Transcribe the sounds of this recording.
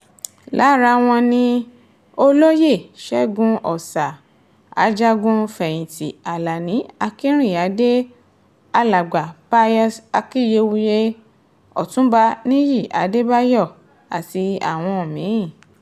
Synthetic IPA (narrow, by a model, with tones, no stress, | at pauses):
la˨˦ɾa˧w̃ɔ̃˧nĩ˧ | o˦lo˦je˦˨ʃɛ˦ɡũ˧ʔɔ˨sa˨ | a̰˨˦d͡ʒa˦ɡũ˧fɛ˨j̃ĩ˨ti˨a˨la˨nĩ˨˦a˧ki˦ɾ̃ĩ˦˨a˨˦de˦ | a˦la˨ɡ͡ba˨pa˧jɔ˧˦sa˧ki˦˨je˧˦wu˧je˦ | ɔ̰˨tũ˨˦ba˧nĩ˦ji˦˨ʔa̰˨˦de˦ba˦jɔ˦˨ | a˨ti˧a̰˨w̃ɔ̃˧o˨mĩ˨˦˨